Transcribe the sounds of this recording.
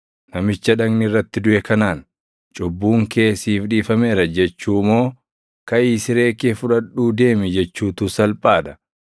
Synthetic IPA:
nɐmɪt͡ʃːɐᶑɐŋnɪrːɐt̪ːɪd̪ʊʔɛkɐnaːn | t͡ʃʼʊbːuːŋke̞ːsiːfᶑiːfɐme̞ːɾɐd͡ʒɛt͡ʃːuːmo̞ː | kɐʔiːsɪɾe̞ːkeːfʊᶑɐᶑuːd̪e̞ːmɪd͡ʒɛt͡ʃːuːt̪usɐlpʼaːᶑ̪ɐ̥

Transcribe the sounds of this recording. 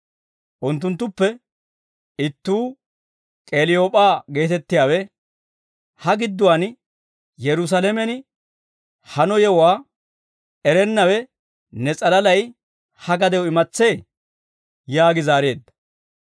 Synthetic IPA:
ʔʊnt̪ːʊnt̪ːʊpːɛ | ɪt̪ːuː | kʼeːlɪjo̞ːpʼaːɡe̞ːt̪ɛt̪ːɪjaːwɛ | hɐɡɪd̪ːʊwan | jɛɾʊs̬ɐlɛmɛnɪ | hɐnɔjɛwaː | ɛɾɛnːɐwɛ | nɛt͡sʼɐlɐlɐj | hɐɡɐd̪ɛwɔɪmɐt͡sːe̞ː | jaːɡɪzaːɾe̞ːd̪ːɐ̥

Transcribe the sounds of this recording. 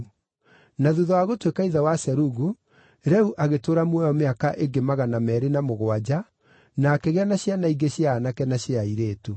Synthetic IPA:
naðuðɔaɣotwekaiðawasɛɾuɣu | ɾɛuʔaɣetoːɾamwɛjɔmeakaʔeŋɡemaɣanamɛɾenamoɣwad͡ʑa | naːkeɣɛnaɕjanaiɡeɕjaːnakɛnaɕeaiɾeːtu

